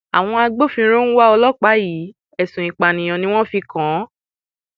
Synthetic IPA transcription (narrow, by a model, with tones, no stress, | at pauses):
a̰˨w̃ɔ̃˧a˧ɡ͡bo˦fĩ˧˦ɾ̃o˦ñ̩˦wa˦ɔ˧lɔ˦k͡pa˨˦ji˨˦ | ɛ˨sũ˨ĩ˨k͡pa˨nĩ˨j̃ɔ̃˨nĩ˦w̃ɔ̃˦fi˧kã˨˦